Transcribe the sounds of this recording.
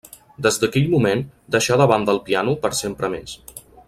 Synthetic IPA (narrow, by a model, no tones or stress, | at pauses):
d̪əzd̪əkɛʎmumend̪əʃaðəβand̪əlˠpianupəɾsempɾəmes